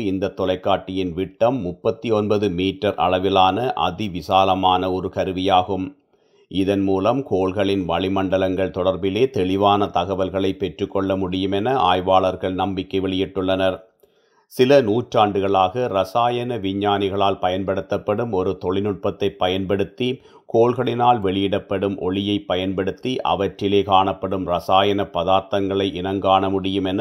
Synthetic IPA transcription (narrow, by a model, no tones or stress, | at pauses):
ɪnd̪ɐt̪ːɔlɐɪkːaːʈːɪjɪnʋɪʈːɐmːʊpːɐt̪ːiɔnbɐðɯmiːʈːɐɾʔɐ̰ɭɐʋɪlaːnɐʔɐ̰ðɪʋɪsaːlɐmaːnɐɔɾɯkɐɾɯʋɪjaːɣɯm | ʔɪðɐnmuːlɐmkoːɭɣɐɭɪnʋɐɭɪmɐɳɖɐlɐŋɡɐɭt̪ɔɽɐɾbɪleːt̪ɛɭɪʋaːnɐt̪ɐɣɐʋɐlɣɐɭɐɪpːɛʈrɯkːɔɭːɐmʊɽɪjɯmɛnɐʔaːjʋaːɭɐɾɣɐɭnɐmbɪkːɐɪʋɛɭɪjɪʈːɯɭːɐnɐɾ | sɪlɐnuːʈraːɳɖɯɣɐɭaːɣɐɾɐsaːjɐnɐʋɪɲːaːnɪɣɐɭaːlpɐjɐnpɐɽɯt̪ːɐpːɐɽɯmɔɾɯt̪ɔɭɪnʊʈ̚pɐt̪ːɐɪpːɐjɐnpɐɽɯt̪ːi | koːɭɣɐɭɪnaːlʋɛɭɪjɪɽɐpːɐɽɯmʔɔɭɪjɐɪpːɐjɐnpɐɽɯt̪ːiʔɐ̰ʋɐʈrɪleːkaːɳɐpːɐɽɯmɾɐsaːjɐnɐpːɐðaːɾt̪ɐŋɡɐɭɐɪʔɪnɐŋɡaːɳɐmʊɽɪjɯmɛnɐ